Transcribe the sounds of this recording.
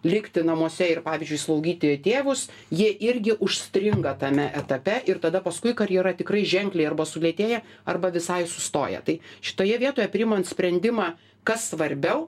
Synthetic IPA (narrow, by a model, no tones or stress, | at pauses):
lʲɪkt̪ʲɪnɐmuɔsʲɛɪrpɑːʋʲiːzʲd͡ʒʊɪslˠɐʊɡʲiːt̪ʲɪt̪ʲeːʋʊs | jiɛʔɪɾʲɡʲɪʔʊʃʲsʲt̪ʲɾʲɪŋɡɐt̪ɐmʲɛʔɛt̪ɐpʲɛʔɪrt̪ɐd̪ɐpɐskʊɪkɐɾʲjɛɾɐt̪ʲɪkrɐɪʒʲɛŋklʲɛɪɐrbɐsʊlʲiɛt̪ʲeːjɛ | ɐrbɐʋʲɪsɐɪsʊst̪o̰ːjɛ̰t̪ɐɪʃʲɪ̥t̪oːjɛʋʲiɛt̪oːjɛpʲɾʲɪmont̪sʲpʲɾʲɛnʲd̪ʲɪmɑː | kɐssʋɐɾʲbʲɛʊ